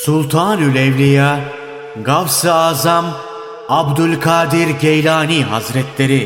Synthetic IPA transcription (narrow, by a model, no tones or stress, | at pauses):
sulˠt̪ʰaːnylʲɛvlʲija | ɡavsɯaːzam | abd̪ylʲkʰaːd̪iɾɟejlʲaːniɦazɾɛt̪lʲe̞ɾi